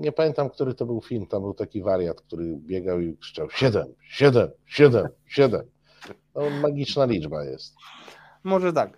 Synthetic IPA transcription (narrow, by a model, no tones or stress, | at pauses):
ɲɛpamʲɛnt̪amk̚t̪uɾɘt̪ɔbɘwfʲilmt̪ambɘwt̪akʲivaɾjat̪k̚t̪uɾɘbʲjɛɡawikʂɘ̥t͡ʂawɕɛd̪ɛmɕɛd̪ɛmɕɛd̪ɛm | ɕɛd̪ɛm | nɔmaɡʲit͡ʂnalʲid͡ʐbajɛ̰st̪ | mɔʐɛt̪ak